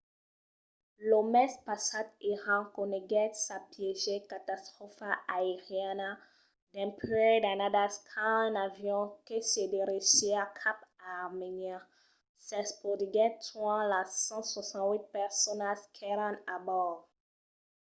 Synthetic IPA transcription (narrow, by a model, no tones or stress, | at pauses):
lomɛspasat̪eʁãkoneɡɛt̪sapjeʒekat̪ast̪χɔfaʔaeʁjana | d̪ɛ̃pedanadaskʰanavjɔ̃kesedeɾeseakʰapaʁmenja | sɛspodiɡɛtwãlasɑ̃swasɑ̃nwit̪̚pɛʁsɔnaskʰɛɾãnabɔʁ